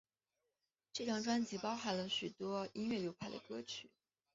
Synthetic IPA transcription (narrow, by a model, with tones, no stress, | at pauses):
ʈ͡ʂɤ˥˩tʰjɑ˥˩ŋʈ͡ʂwa˥nt͡ɕi˧˥pɑ˥ʊxa˧˩nlə˦ɕy˨˩t̪wɔ˥i˥ŋɥɛ˥˩ljo˧˥ʊpʰa˥ɪd̪ə̰˩kɤ˥t͡ɕʰy˨˩˦